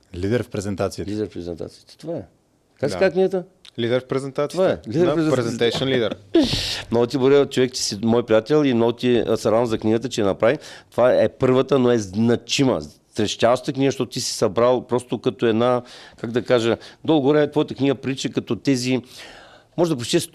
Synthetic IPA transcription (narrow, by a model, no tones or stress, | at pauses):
lid̪ɛɾfpɾɛzɛnt̪at̪silid̪ɛɾfpɾɛzɛnt̪a̰t̪siət̪ɛ̥t̪ovaɛ | kaziikakniɡət̪ə | lid̪ɛɾfpɾɛzɛnt̪at̪sovaɛlid̪ɛɾɛpɛɛt̪ɛɛnlid̪ɛɾ | mnɔɡot̪̬ʲiboɾɛt͡ʃovɛkt̪i̥simɔjpɾijat̪ɛlʲˠimnɔɡot̪isɐɾavəmzɐkniɡət̪ət͡ʃɛɛnɐpɾavit̪ovaɛpɤɾvət̪ənoɛznɐt͡ʃimə̰sɾɛʃtʲavʃt̪əkniɡəʃt̪ɔt̪oʊt̪isi̥sɐbɾalˠpɾɔst̪okɐt̪oɛd̪nakaɡd̪ɐkaʒəd̪olˠɡoɾɛt̪vɔjət̪əkniɡəpɾit͡ʃəkɐt̪ɔt̪ɛzi | mɔʒɛd̪ɐpɾot͡ʃt̪ɛs